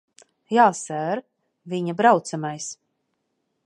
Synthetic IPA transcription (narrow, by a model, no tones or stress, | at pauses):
jaːsæːɾ | viɲabɾawt̪samajs